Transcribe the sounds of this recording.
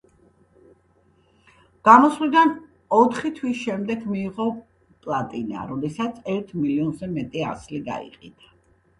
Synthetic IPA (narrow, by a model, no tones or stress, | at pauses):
ɡ̥amɔswlid̪an | ɔt̪ʰχit̪ʰwisʃɛmd̪ɛɡmiːʁɔ | pʼlˠat̪ʼina̰ɾɔd̪ɛsat̪sʰɛɾt̪ʰmiliɔnzɛmɛt̪ʼia̰sliɡa̰ḭqʼḭd̪a